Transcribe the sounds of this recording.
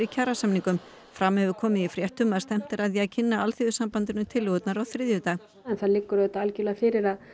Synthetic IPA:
ɾicʰaːɾasamniŋkʏm | fɾamːhɛvʏkʰɔːmɪifɾjɛht̪ʏmaðst̪ɛm̥t̪ɪɾaðjacʰɪnːaalθiðʏsampant̪ɪnʏt̪ʰɪlːɪɔt̪naɾɔwθɾɪðjʏt̪aːɣ | ɛnθaðlɪkːʏɾɛt̪aalcɪlɛɣafɪɾɪɾað

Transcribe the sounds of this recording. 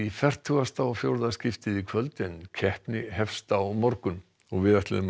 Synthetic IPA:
ifɛr̥t̪ʰuɣast̪aɔfjowɾðascɪft̪ɪðikʰvœlt̪ɪncʰɛhpnɪhɛfst̪awmɔɾkʏn | ɔɣvɪðɛht̪lɪðʏm

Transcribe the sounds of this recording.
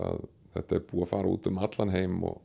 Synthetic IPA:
að | θɛht̪aɛɾpuːafaːɾaṵːt̪ʏmat̪lanɦeːjmɔɣ

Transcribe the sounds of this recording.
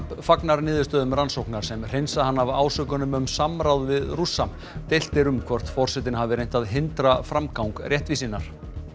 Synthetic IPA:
pfaknaɾnɪːðʏ̥ɾst̪œːðʏmransowknaɾ̥sɛmr̥ejnsahanːava̰ːwsœːkʏnʏmʏmsamɾawðvɪðrusːam | t̪ejl̥t̪ɪɾʏmkʰvɔr̥t̪fɔr̥sɛt̪ɪnhɦavɪɾejɲn̥t̪aðɦɪnt̪ɾafɾamkawŋkrjɛht̪visinːaɾ̥

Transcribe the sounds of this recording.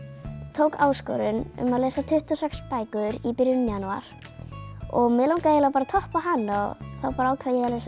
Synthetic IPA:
t̪ʰoːwkaːwskɔ̰ɾʏnʏ̰maðleːsat̪ʰʏht̪ɔsɛkspaːjkʏðʏɾipɪɾjʏnʏmjanua̰ɾ̥ | ɔɣmɛːlawŋkaeːlapaɾat̪ʰɔhpaɦanːaθawpaːɾaawkʰɛjɛales

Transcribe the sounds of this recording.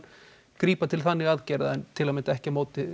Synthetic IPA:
kɾiːpat̪ʰɪlθanːɪɣaðcɛjɾðaɛnt̪ʰɪlamɛɪnt̪aɛhcɪmoːwt̪ɪ

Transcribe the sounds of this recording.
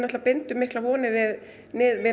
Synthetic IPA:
nɛht̪lapɪnt̪ʏmɪhklavɔːnɪvɪð | nɪːðvɪ

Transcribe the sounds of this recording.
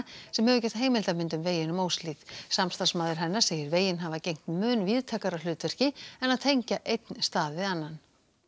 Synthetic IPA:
sɛmhɛvʏcɛht̪ɦeːjmɪlt̪amɪnt̪ʏmveːjɪnʏmoːwsliːðsamst̪asmaːðɪɾ̥ɦɛnːḁseːjɪɾveːjɪnɦavacejŋ̥t̪mʏːnviːðt̪ʰaːkaɾalʏːt̪ɛr̥cɪɛnaðt̪ʰejɲcaʔejt̪nst̪aːðvɪðanːan

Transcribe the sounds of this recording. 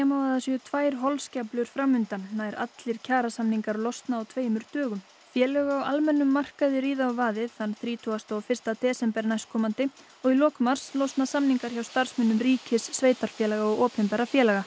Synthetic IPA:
ɛmavaðasiʏt̪ʰvaːjɾ̥ɦɔlscaplʏɾ̥fɾamːʏnt̪anːaːjɾa̰t̪lɪɾ̥cʰaːɾasamniŋkaɾlɔwst̪naːwt̪ʰveːjmʏɾt̪œːɣʏm | fjɛːlɛɣaawʔalmɛnːʏmːar̥kaðɪɾiːðaavaːðɪθanːθɾiːt̪ʰɔɣast̪ɔfɪr̥st̪at̪ʰɛːsɛmpɛɾnajskʰɔmant̪ɪ | ɔɣilɔːkʏmaɾ̥slɔst̪nasamniŋkaɾ̥çawst̪ar̥smɛnːʏmriːcɪsːveːjt̪aɾ̥fjɛːlaɣaɔɣɔːpɛmpɛːɾafjɛːlɛɣa

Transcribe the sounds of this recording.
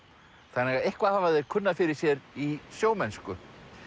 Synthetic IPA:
θanːɛɣaehkvahaːvaðɪɾ̥kʰʏnːafɪɾɪɾ̥sjɛɾisjoːwmɛnskʏ

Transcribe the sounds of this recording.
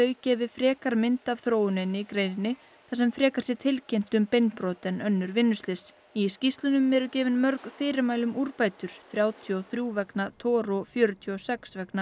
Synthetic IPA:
œːɥcɛːvɪfɾɛːkaɾmɪnt̪av̥θɾoːwʏnenːɪkɾeːjnɪnːɪ | θasɛmfɾɛːkasjɛt̪ʰɪlcejm̥t̪ʏmpejnpɾɔːt̪ɛnœnːʏɾvɪnːʏst̪lɪs | iscist̪lʏnʏmɛɾʏcɛːvɪnmœɾkfɪːɾɪmaːjlʏmuɾpaːjt̪ʏɾ̥θɾjaːwt̪ʰiɔθɾjuːvɛknat̪ʰɔːɾɔfjœːɾʏt̪ʰiɔsɛksvɛkna

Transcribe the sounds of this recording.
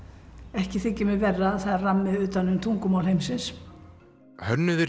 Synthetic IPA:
ɛhcɪθɪcːɛmɪvɛrːaːθaramːɪðʏːt̪anːʏmt̪ʰuŋkʏmaːwlhejmsɪns | hœnːʏðɪ

